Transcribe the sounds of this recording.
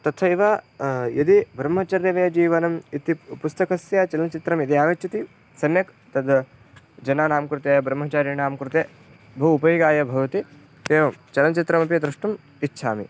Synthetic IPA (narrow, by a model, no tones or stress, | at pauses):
t̪ɐt̪ʰɐiʋajɐd̪ibʱɾɐmːɐt͡ʃɐɾjɐʋeːd͡ʒiːʋɐnɐmit̪ipust̪ɐkɐsjɐt͡ʃɐlɐnɐt͡ʃit̪ɾɐmjɐd̪iaːʋɐt͡ʃʰɐt̪i | sɐnjɐk | t̪ɐd̪ | d͡ʒɐnaːnaːmkɾut̪eːbɾɐmːɐt͡ʃaːɾjɐnaːmkɾut̪eː | bʱɐʋupɐjiːɡaːjɐbʱɐʋɐt̪i | eːʋɐmt͡ʃɐlɐnt͡ʃit̪ɾɐmɐpiɐd̪ɾuʂʈɐm | itːʃʰaːmi